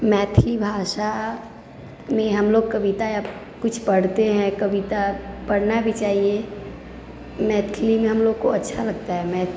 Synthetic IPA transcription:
mɛːt̪ʰlibʱasa | mẽɦəmloɡ̚kəbit̪aja | kʊt͡ʃʰpəɽt̪eɦɛ̃kəbit̪apəɽnabʱit͡ʃaːɦie | mɛt̪kʰlimẽɦəmloɡ̚koətːʃʰaləɡt̪aɦɛmɛ

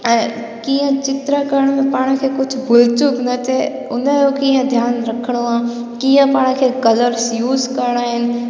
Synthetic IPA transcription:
kiãt͡ʃɪt̪ɾəkəɾɽ̃mẽpaːɽ̃kʰekʊt͡ʃʰbʱʊlt͡ʃʊknɐt̪ʰe | ʊnə̃okĩːɦə̃d̪ʱjaːnɾɐkʰɽ̃oãːkiːãpaːɽ̃kʰekɐləɾsjuːzkɐɾɽ̃aːɦɪn

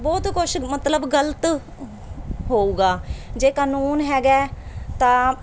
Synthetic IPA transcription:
bɔːt̪kʊʃmət̪ləbɡələt̪ | ɦoːuːɡaːd͡ʒeːkaːnuːnɦɛːɡɛːt̪ãː

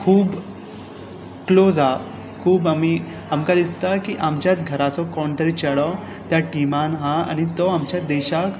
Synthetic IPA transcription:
kʰuːb | klod͡za | kʰuːbami | amkad̪ist̪akiʔamt͡ɕjat̪ɡʱəɾat͡sɔkɔɳt̪əɾit͡ɕəɽɔ | t̪jaʈimanɦãa̰ñit̪ɔamt͡ɕjad̪eɕak

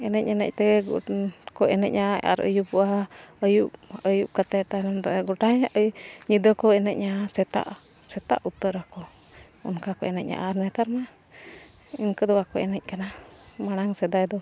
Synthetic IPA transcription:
ɛnɛc̚anɛ̰c̚t̪ɛɡkɔʔɛnɛ̰c̚ɲʔaa̰ɾə̰jupuʔaəjupəjup̚kat̪at̪anamd̪ɡɔʈaɲaʔəɲid̪əkɔɛnɛc̚ɲasɛt̪a̰ʔ | sɛt̪a̰ʔut̪əɾakɔ | ɔ̰nkakɔɛnɛ̰c̚ɲa̰ʔaɾnɛt̪aɾma | inkəd̪ɔakɔɛnɛc̚kanamaɽ̃aŋsɛd̪ajd̪ɔ

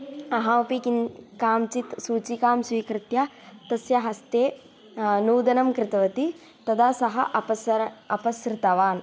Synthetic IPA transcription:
ɐɦɐupikinkaːmt͡ʃit̪suːt͡ʃikaːmsʋiːkɾɪt̪jat̪ɐsjɐɦɐst̪eː | nuːd̪ɐnɐmkɾɪt̪ɐʋɐt̪i | t̪ɐd̪aːsɐɦɐʔɐpɐsɾɐpɐsɾɪt̪ɐʋaːn

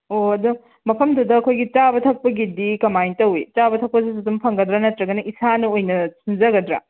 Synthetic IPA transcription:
oɐdu | mɐpʰɐmdudɐːkʰojɡit͡ʃabɐtʰɐk̚pɐɡidikɐmajntɐwit͡ʃabɐtʰɐk̚pɐs̬is̬itumpʰɐŋɡɐdɾɐnɐtɾɐɡɐnɐʔisanɐojnɐsinzɐɡɐdɾa̰

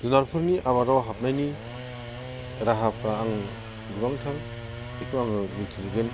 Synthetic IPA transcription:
dunaɾpʰɯɾniʔaβaɾawɦap̚najni | ɾaɦapʰɾaːŋ | dubaŋtʰal | ekʰuaŋɯmitʰiliɡen

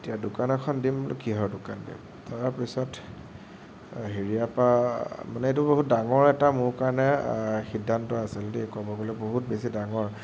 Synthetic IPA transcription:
etijadʊkanɔkʰɔndimkiɦɔɹdʊkandḭm | tʰaɹapisɔt | ɦiɹiapamanɛet̬ʊboɦut̚daŋɔɹɛtamʊɹkaɹnɛxidʱːantɔasiltekɔbɔɡolɛboɦut̚besidaŋɔɹ

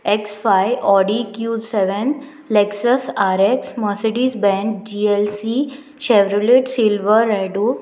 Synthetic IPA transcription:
eksfajʔɔɖikjuseʋən | leksəsaɾeksməseɖisbɛ̃nk̚d͡ʑielsi | ɕeʋɾuleʈsilʋəɾːeɖu

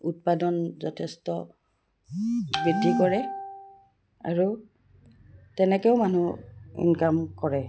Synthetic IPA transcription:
ut̚padɔnzɔtʰɛstɔ | bidʱikɔɹɛ | a̰ɹu | tɛnɛkɛʊmanuḭnkamkɔɹɛ

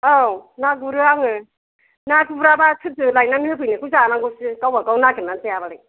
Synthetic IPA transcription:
awnaɡuɾɯaŋɯ | naɡɯbɾabatʰɯzɯlajnanɯpʰɯjnɯkuzaːnaŋɡusɯkawbakawnaɡɯnansejaβaɾɯ

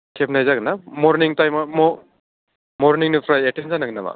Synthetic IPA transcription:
kʰep̚najzaɡɯnamɔɾniŋtajmamɔ | mɔɾniŋnɯpʰɾajetenzanaɡɯnama̰

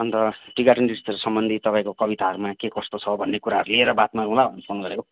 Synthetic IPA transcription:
ʌnt̪ʌʈiɡaʈindist̪eɾusʌmbʌnd̪ʱit̪ʌpãĩkokʌbit̪aɦʌɾumakekʌst̪ot͡sʰʌbʱʌnːekuɾaɦʌɾulieɾʌbat̪maɾuɦlaʌnipʰonɡʌɾeko

